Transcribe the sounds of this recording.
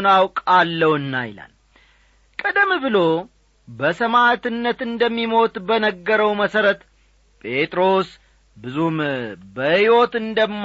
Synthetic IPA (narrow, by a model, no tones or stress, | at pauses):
nawkʼalːəwɨnːa̰jɪla̰l | kʼəd̪əmːbɨlo̞ | bəsəmat̪ɨnːət̪ɨnd̪əmːimo̞t̪ʼbənəɡːəɾəwməsəɾət̪ | pʼe̞t̪ʼɾo̞s | bɨzumbəhiwo̞t̪ɨnd̪əmː